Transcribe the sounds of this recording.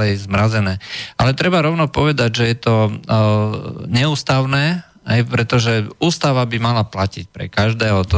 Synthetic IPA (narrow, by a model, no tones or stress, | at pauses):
ɛjzmɾazɛnɛːʔalɛt̪ɾɛbaɾɔʊnɔpɔʋɛd̪aɟʒɛjɛt̪ɔ | ɲɛuːst̪aʊnɛː | ɦɛjpɾɛt̪ɔʒɛuːst̪aʋabimalaplacic̚pɾɛ̰kaʒd̪ɛːɦɔt̪ɔ